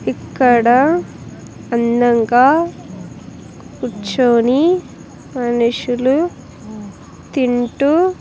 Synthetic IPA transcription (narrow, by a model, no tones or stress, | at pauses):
ikːɐɽɐ | ɐnːɐŋkaː | kut͡ʃoːni | mɐnuʂulu | t̪iɳʈu